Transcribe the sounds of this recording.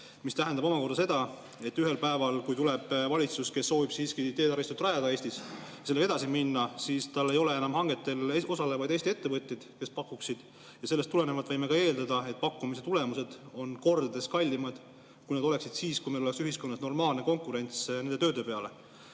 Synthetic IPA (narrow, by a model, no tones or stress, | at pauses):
mist̪æɦend̪ɑbo̞mɑko̞rɾd̪ɑse̞d̪̥ɑ | e̞t̪ːyɦe̞lpæevɑlkujt̪ule̞b̥vɑlʲit̪suske̞sːo̞ːvib̥siːskit̪e̞ːd̪ɑɾist̪ut̪rɑjɑd̪ɑeːsʲt̪isjɑsele̥e̥ɑsiminːɑsiːst̪ɑlːe̞jo̞lee̞nɑmhɑŋɡ̥et̪ːˑe̞lo̞sɑlevɑjd̪est̪ie̞t̪ːevɤt̪ʲːjed̪̥ke̞spɑkːˑuksid̪̥ | jɑse̞lːest̪ule̞nevɑt̪ːˑvɤjme̞kɑe̞ːld̪ɑd̪ɑe̞t̪̚ːpɑkːumis̬et̪ule̞muse̞d̪̥o̞nko̞rd̪̥ɑd̪e̞skɑlʲːimɑd̪̥ | kujned̪o̞le̞ksid̪̥siːskujmeloeksyɦisko̞nːɑsno̞rmɑːlne̞ko̞ŋkˑuɾe̞nʲt̪sne̞nd̪eøːd̪epe̞ɑle̞